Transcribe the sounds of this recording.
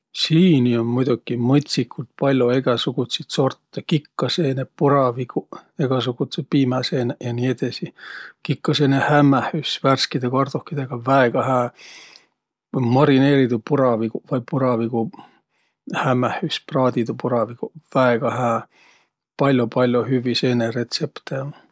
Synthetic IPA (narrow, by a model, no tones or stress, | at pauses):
siːnionmujd̪ukːˑimɤt̪ʲsikʰːult̪̚pɑlʲjoe̞ɡ̥æsuɡ̥ut̪sit̪so̞rt̪ːekikːɑse̞ːnepuɾɑvikueɡ̥ɑs̬uɡ̥ut̪sepiːmæseːnejɑnied̪̥ɑsikikːɑseːnehæmːæhysværskid̪ekɑrd̪̥ohkːid̪eɡ̥ɑvæeɡ̥ɑhæː | mɑɾine̞ːɾid̪upuɾɑvikuvɑjpuɾɑviɡu | hæmæhysprɑːd̪id̪upuɾɑvikuvæeɡ̥ɑɦæː | pɑlʲjopɑlʲjohyvise̞ːnere̞t̪se̞pt̪e